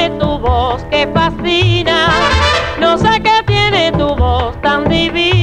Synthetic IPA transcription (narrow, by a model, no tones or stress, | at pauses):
et̪uβoskefasina | noseket̪jenet̪uβost̪and̪iβi